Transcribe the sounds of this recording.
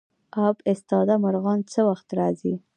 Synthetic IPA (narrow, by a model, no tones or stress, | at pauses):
ɑbɪst̪ɑd̪amaɾɣɑnt͡səwaxt̪ɾɑzi